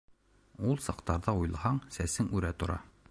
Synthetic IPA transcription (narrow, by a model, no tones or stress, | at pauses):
ulˠsɑqt̪ɑɾðɑujlˠhɑɴsæsɘŋʉɾæt̪ŏɾʔɑ̰